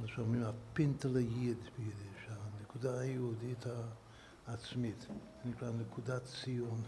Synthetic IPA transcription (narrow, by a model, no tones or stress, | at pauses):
maʃamimapɪntələjid̪bəjid̪ɪʃanəkudajudithaː | t͡smitzinɪklaanəkʰudat͡sijɔn